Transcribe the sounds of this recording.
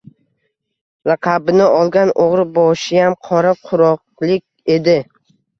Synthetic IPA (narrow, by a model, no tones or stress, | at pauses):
ɾɑqʰɑbɪnɪɒlˠɡʲanʔoʁɾɪbɒʃɪjamqʰɒɾaqʰʊɾɒq̚lˠɪkʲe̞d̪ɪ